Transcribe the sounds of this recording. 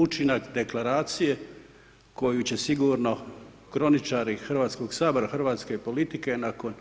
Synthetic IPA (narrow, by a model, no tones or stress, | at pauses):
ut͡ʃinakd̪e̞klaɾaːt̪sije̞ | ko̞jut͡ɕe̞siɡuɾno̞ | kɾo̞nit͡ʃaːɾixrʋaːt̪sko̞ɡsaːboɾaxr̩ʋaːt̪ske̞po̞lit̪ike̞nako̞n